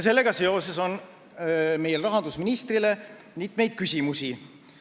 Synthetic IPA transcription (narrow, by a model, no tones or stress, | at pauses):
se̞lːe̞ɡ̥ɑse̞o̞se̞so̞n | mejelrɑɦɑnd̪̥usminist̪rile | mit̪ːˑmejd̪̥̚kysʲimusʲi